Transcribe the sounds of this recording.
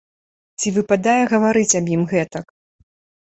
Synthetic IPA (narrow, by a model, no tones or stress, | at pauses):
t͡sʲivɨpad̪ajɛɣɐvaɾɨt͡sʲɐbjimɣɛt̪ɐk